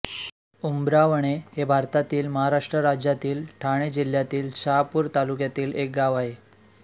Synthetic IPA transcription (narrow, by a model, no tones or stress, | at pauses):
umbɾaʋəɳ̃ehebʱaɾt̪at̪iːlməɦaɾaʂʈɾəɾad͡ʑjat̪iːlʈʰaɽ̃ed͡ʑil̤jat̪iːlɕaapuːɾt̪aluk̬jat̪iːlek̚ɡaʋaɦe